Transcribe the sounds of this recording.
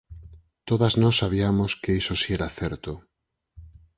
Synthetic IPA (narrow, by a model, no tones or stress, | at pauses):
t̪oðaznɔsːaβ̞iamoskeisosieɾaθɛɾt̪o